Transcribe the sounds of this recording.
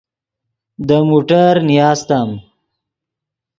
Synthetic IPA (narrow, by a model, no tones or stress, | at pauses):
d̪əmuʈəɾnijɑːst̪am